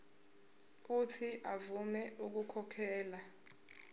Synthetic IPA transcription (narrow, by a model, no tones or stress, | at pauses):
utʰiʔavumɛʔuk̬ukʰɔkʰɛːla